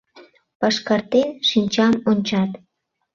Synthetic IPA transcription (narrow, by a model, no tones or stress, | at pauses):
pɑʃkɑrt̪enʃinʲt͡ɕɑmonʲt͡ɕɑt̪